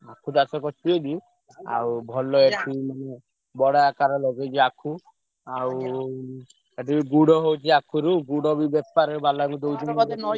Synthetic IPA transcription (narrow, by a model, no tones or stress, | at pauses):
akʰut̪asɔkɔt͡ʃʰiɔd̪i | a̰wbʱɔlɔetʰimane | bɔɽaakaɾɔlɔɡet͡ʃʰiakʰu | aw | eʈibiɡuɽɔɦowt͡ʃʰiakʰuɾuɡuɽɔbibepaɾebalaŋud̪owd͡ʒɔnd̪